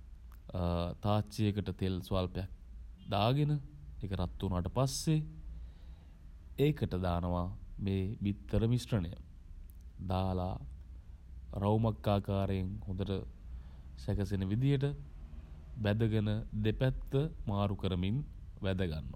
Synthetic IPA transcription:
t̪aːt͡ʃejəkəʈət̪elsʋaːlpejak̚d̪aːɡenəekəɾat̪ːunaːʈəpasːe | eːkəʈəd̪aːnəʋameːʋit̪ːəɾəmisrənəjə̰ | d̪aːla̰ː | ɾawmakːaːkaːɾejeŋhod̪əʈə | sækəsenəʋid̪ijəʈə | ʋæd̪əɡənəd̪epæt̪ʋəmaːɾukəɾəminʋæd̪əɡa̰nːo̰

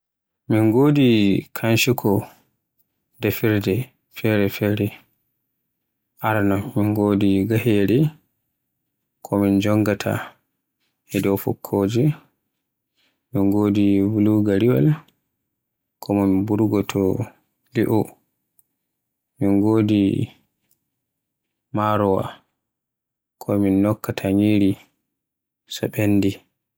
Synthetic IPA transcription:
miŋɡoːdikʰanʃikʰɔ | dɛfiɾdɛ | fɛɾɛfɛɾɛ | ʔaɾnɔmiŋɡoːdiɡaheːɾi | kʰɔmind͡ʒɔŋɡatʰa̰ | ɛdɔfɔ̰kʰːoːd͡ʒi | minɡodivuluɡaɾiwa̰l | kʰɔminbuɾɡɔtʰɔ | liʔɔ | minɡoːdi | maɾɔwa̰ | kʰɔminːɔkːatʰaɲiɾi | sɔ̰ɓenːdi

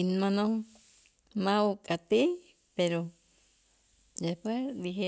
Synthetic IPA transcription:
inmãnõ | mãokʼat̪i | peɾo | d̪epwed̪iɦe

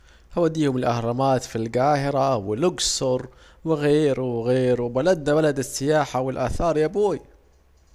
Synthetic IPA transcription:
hawad̪iːhʊmɪlʔahɾˤɑmaːt̪filɡaːhɪɾawɪlʊɡsʊɾˤ | wɪɣeːɾuwɪɣeːɾubalad̪nabalad̪ɪsːɪjaːħawɪlʔaːθɑːɾˤjabuːj

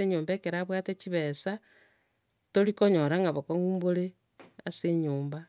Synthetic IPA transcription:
eɲoːmbekeɾaβwatet͡ʃiβesa | toɾikoɲoɾaŋɡaβokoŋuːmboɾe | aseɲuːmba

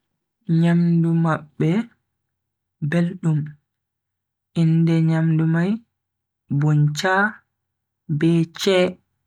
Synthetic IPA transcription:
ɲamdumaɓːɛ | belɗum | ʔindɛɲamdumaj | bɔnt͡ʃaː | bɛt͡ʃɛ

